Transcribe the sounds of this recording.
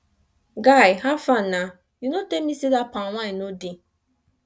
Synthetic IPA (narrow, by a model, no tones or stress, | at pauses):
ɡaɪɦafana | junotemisidapawʷainodi